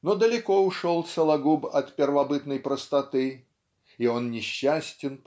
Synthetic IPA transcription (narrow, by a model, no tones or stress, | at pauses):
nɔd̪əlʲɪkɔʊʂɔlˠsəlˠɐɡubɐt̪pʲɪrvɐbɨt̪nəjpɾəst̪ɐt̪ɨ | ionnʲɪɕːasʲtʲɪn